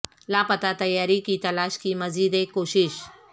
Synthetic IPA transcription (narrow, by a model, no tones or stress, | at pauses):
laːpɐt̪at̪ɐjːaːɾikit̪ɐlaːʃkimɐziːd̪ekːoːʃɪʃ